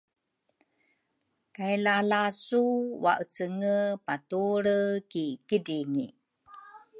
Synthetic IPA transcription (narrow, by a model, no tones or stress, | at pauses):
kajlalasuwa̰ʔət͡səŋəpatuɾəkikidiŋḭ